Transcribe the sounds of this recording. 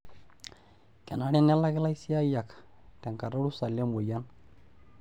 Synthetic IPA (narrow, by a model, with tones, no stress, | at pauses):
kɛ˨na˦ɽɛ˦nɛ˦la˦kɪ˦la˦jsi˦a˦ja˨k | tɛ˨ŋka˨ɾa˦ɽu˦sa˨lje˦mwo˨ja˦n